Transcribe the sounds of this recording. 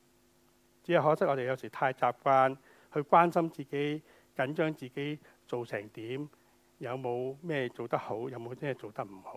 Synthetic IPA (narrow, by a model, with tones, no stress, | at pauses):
t͡si˨˥jɐ˨˩ɦɔː˨˥sɪ˥k̚ʔɔː˨˧e˨jɐ˨˧wsiː˨˩t̪ʰaː˧jt͡saː˧p̚kʷaː˥n | hɵ˧ɥkʷwaː˥nsɐ˥mt͡siː˨ke˨˥j | kɐ˨˥nt͡ʃœː˥ŋt͡siː˨ke˨˥j | t͡so˨wsɛː˨˩ŋt̪iː˨˥m | jɐ˨˧wmo˨˧wmɛː˥˩t͡so˨wt̪ɐ˥k̚ho˨˥wjɐ˨˧wmo˨˧mɛː˥˧t͡so˨wt̪ɐ˥k̚m̩˨˩ho˨˥w